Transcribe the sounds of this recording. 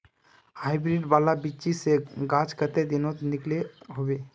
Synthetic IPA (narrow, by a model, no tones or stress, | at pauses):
haːɪbɾiɖʋaːlabit͡ʃiseɡãːd͡ʒkət̪ed̪ɪnot̪nɪkleɦoːʋeː